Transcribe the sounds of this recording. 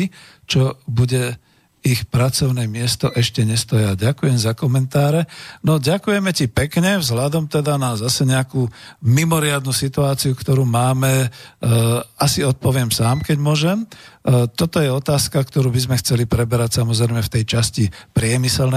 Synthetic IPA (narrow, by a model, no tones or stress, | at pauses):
i | t͡ʃɔbuɟɛ | ixpɾat͡sɔʊnɛmɪɛst̪ɔʔɛʃcɛɲɛst̪ɔjaɟakujɛmzakɔmɛnt̪aːɾɛnɔɟakujɛmɛcipɛkɲɛvzɦʎad̪ɔmt̪ɛd̪anazasɛɲɛakumimɔɾɪad̪nusit̪uaːt͡siukt̪ɔɾuːmaːmɛ | asiɔt̪̚pɔʋɪɛmsaːmkɛɟmʊɔʒɛmt̪ɔt̪ɔjɛɔt̪aːskakt̪ɔɾuːbizmɛxt͡sɛlipɾɛbɛɾacsamɔzɾɛjmɛft̪ɛjt͡ʃascipɾɪɛmisɛlnɛ